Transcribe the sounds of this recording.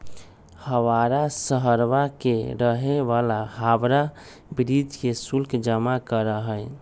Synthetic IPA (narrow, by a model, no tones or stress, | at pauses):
həwaɾasəɦəɾwakeɾəɦeʋalaɦabɾa | bɾid͡ʒkesulkd͡ʒəmakəɾəɦəj